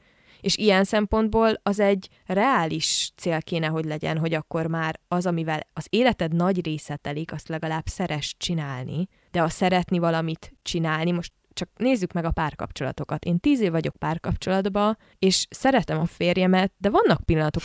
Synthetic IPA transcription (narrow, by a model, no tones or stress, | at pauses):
eːʃijɛnsɛmpo̞nd̪boːlɒzɛɟː | rɛaːliʃt̪seːlkeːnɛɦoɟlɛɟɛ̰nɦo̞ɟɒkːo̞rmaːɾɒzɒmivɛlɒzeːlɛt̪ɛd̪nɒɟreːsɛt̪ɛlikɒst̪lɛɡɒlaːbsɛɾɛʃt͡ʃinaːlnḭ | d̪ɛɒsɛɾɛt̪nivɒlɒmit̪t͡ʃinaːlnimo̞ʃt̪ | t͡ʃɒk̚neːzːykmɛɡɒpaːrkɒ̰pt͡ʃo̞lɒ̰t̪o̞kɒt̪eːnt̪iːzeːvːɒɟo̞k̚paːrkɒpt͡ʃo̞lɒd̪bɒ | eːʃsɛɾɛt̪ɛmɒfeːrjɛmɛt̪̚d̪ɛvɒnːɒk̚pilːɒnɒt̪o̞